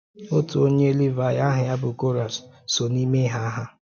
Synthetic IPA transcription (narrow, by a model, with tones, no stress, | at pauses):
o˦tʊ˨o˦ɲe˦li˦va˨ja˦ɦɪ˨a˦bʊ˨ko˦ɾa˨s | so˨ni˦me˦ɦa˦a˦ɦa˦